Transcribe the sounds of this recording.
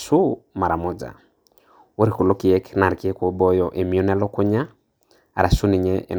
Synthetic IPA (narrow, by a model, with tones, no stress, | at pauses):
su˦ma˨ɾa˨mo˦d͡ʒa̰˨ | wo˦ɾi˨ku˨lo˦ki˨ɛ˦kna˨ɾki˦ɛ˦ko˦bɔ˦jɔʔe˨mi˨ɔ˦nɛ˦lɔ˦ko˦ɲa˦ | a̰˨ɾa˨su˦ni˨ɲɛ˦ʔɛ̰˨n